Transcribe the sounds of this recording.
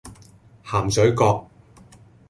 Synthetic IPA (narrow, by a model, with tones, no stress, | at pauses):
haː˨˩msɵ˨˥ɥkɔː˧k̚